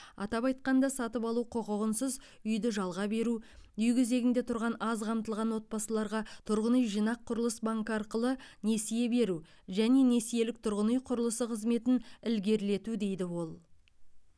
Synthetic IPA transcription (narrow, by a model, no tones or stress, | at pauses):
ɑ̰t̪ɑpɑjt̪̚qɑnd̪ɑsɑt̪əpɑlˠuqʰoqəʁənsəz | ʏjd̪ɪʒɑlˠʁɑbe̞ɾuʏjɡʲʰeze̞ɡʲɪnd̪e̞t̪ʰʊɾʁɑnɑzqʰɑmt̪əlˠʁɑnwo̞t̪̚bɑsəlˠɑɾʁɑt̪ʰʊɾʁənijʒijnɑqʰːʊɾəlˠəsbaŋkɑɾqəlˠəne̞sije̞be̞ɾu | ʒæne̞ne̞sije̞lɪk̚t̪ʰʊɾʁənjqʰʊɾəlˠəsəqʰəzme̞t̪ɪnɪlɡʲe̞ɾle̞t̪ud̪e̞jd̪ɪwo̞lˠ